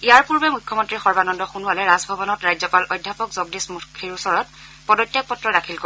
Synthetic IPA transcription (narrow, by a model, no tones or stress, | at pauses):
ijaɹpuɹbɛmujkʰːɔmɔntɹixɔɹbanɔndɔxunualɛɹazbʱɔbɔnɔtɹajzɔpalʔɔjdʱjapɔkzɔɡdismukʰːiɹusɔɹɔt̚ | pɔdɔtːjak̚pɔtːɹɔdakʰilko